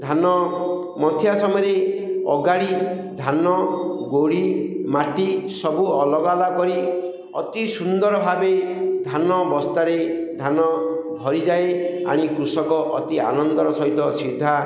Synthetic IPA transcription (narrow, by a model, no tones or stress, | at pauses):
d̪ʱanɔ | mɔt̪ʰjasɔmɔjɾeɔ̰ɡaɽi | d̪ʱanɔɡoɽimaʈisɔbuɔlɔɡalakɔɾi | ɔ̰t̪isund̪ɔɾɔbʱabed̪ʱanɔbɔst̪aɾed̪ʱanɔbʱɔɾid͡ʒaea̰ɽ̃ikɾusɔkɔʔɔt̪ia̰nɔnd̪ɔɾɔsɔɦit̪ɔsid̪ʱːa